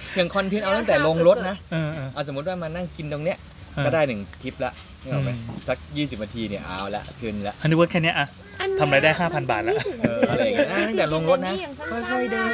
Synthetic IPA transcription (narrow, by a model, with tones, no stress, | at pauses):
nʰɯ˨˩əŋkʰɔ˧nt̪ʰiː˧nʔa˧wt̪a˥˩ŋt̪ɛː˨˩lo˧ŋɾo˦˥t̪̚na˦˥ʔɤː˧ʔaː˧˩so˩˦mu˦˥t̪̚waː˥˩ma˧nːa˥˩ŋki˧nd̪o˧ŋni˦˥əʔ | kɔː˥˩daː˥˩jnɯ˨˩ŋt̪ʰi˦˥p̚la̰˦˥ʔ | ʔma˧˩sa˦˥k̚jiː˥˩si˨˩p̚naː˧t̪ʰiː˧ni˥˩ɐʔa̰˧wla̰˦˥ʔt̪ʰɯ˧nla˦˥ʔa˧nu˦˧wəː˦˥t̪̚kʰɛː˥˩ni˦˥ɐʔa˧˩ | t̪ʰa˧mɾaː˧jdaː˥˩jɦaː˥˩pʰa˧nba̰ː˨˩t̪̚la˦ʔʔɤː˩˧˩lːŋ˧ʔaː˧˩t̪a˥˩ŋt̪ɛː˨˩lo˧ŋɾo˦˥t̪̚na˦˥kʰɔ˥˩jkʰɔ˥˩jdɤː˧